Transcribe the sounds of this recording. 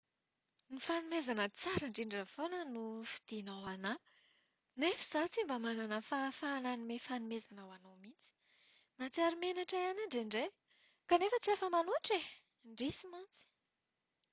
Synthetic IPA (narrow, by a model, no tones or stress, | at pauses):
nifanumezanət͡saɾaɳɖ͡ʐiɳɖ͡ʐəvonənufi̥d̪̥inawana | nefi̥z̥at͡simbamananəfafananimefanumezanawanomit͡si̥ | mat͡siaɾimenaʈ͡ʂaanaɳɖ͡ʐeɳɖ͡ʐe | kanefət͡siafəmanuaʈ͡ʂe | ɳɖ͡ʐisimant͡si̥